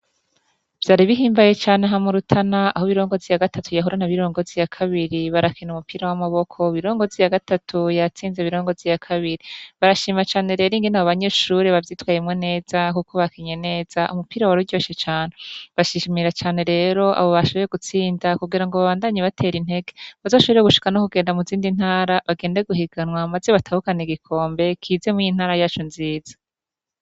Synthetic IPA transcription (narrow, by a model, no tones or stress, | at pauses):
v̥jaːɾiβiɦiːmbaje̞t͡ʃaːneɦamuɾutʰanaa̰hoβiɾo̞ːŋɡovzijaɡatʰatujaɦuɾanaβiɾo̞ːŋɡo̞vzijakʰaβiɾiβaɾakʰinumupiːɾawamaβo̞kʰo̞βiɾo̞ːŋɡo̞zijaɡatatʰujat͡siːnzeβiɾo̞ːŋɡo̞vzijakʰaβiɾiβaɾaʃiːmat͡ʃaːne̞ɾe̞ːɾiŋɡenaβoβaɲe̞ːʃuɾiβavjiːtwaːjemŋe̞ne̞ːz̥akukoβakiɲene̞ːz̥aʔumupiːɾawaɾuɟo̞ːʃet͡ʃaːne̞βaʃiʃimiɾat͡ʃaːne̞ɾe̞ːɾo̞ʔa̰βo̞βaʃo̞βeɾe̞ɡut͡siːndakuɡiɾaŋɡo̞βaβaːndaɲeβatʰe̞ːɾin̥he̞ɡe̞βazo̞ːʃo̞βeɾeɡuʃi̥kano̞kuɡeːndamuziːndin̥haːɾaβaɡe̞ːnde̞ɡuɦiɡanwamazeβatʰahukaneɡikʰo̞ːmbe̞kʰize̞mujin̥aːɾajaːt͡ʃunziːz̥ḁ